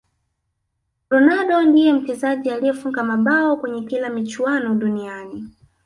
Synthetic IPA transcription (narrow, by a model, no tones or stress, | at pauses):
ɾɔnaɗɔndijɛm̩tɛzaʄialijɛfuŋɡamaɓawɔkwɛɲɛkilamit͡ʃuwanɔɗunijani